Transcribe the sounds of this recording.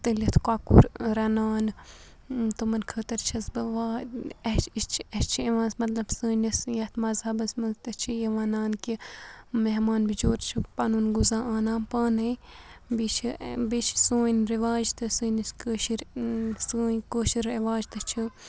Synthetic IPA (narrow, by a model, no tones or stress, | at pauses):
t̪ɨlɐt̪ʰkaːkṵɾɾɐnaːn | t̪umɐnkʰəːt̪ɐɾt͡ʃʰɐsbɨʋaːɐt͡ʃit͡ʃʰɐt͡ʃʰieʋãːsmɐt̪lɐbsɨːnɐsjɐt̪ʰmɐzhɐbɐsmɐnzt̪ɐt͡ʃʰijɐʋaːnaːnkimeɦmaːnbid͡ʒoːɾt͡ʃʰipɐnuːnɡuzãːaːnãːpaːnɐjbit͡ʃʰibit͡ʃʰsoːnɾiʋaːd͡ʒt̪ɨsɨːnɐskəːʃiɾsɨːkəːʃiɾɐʋaːd͡ʒt̪ɨt͡ʃʰi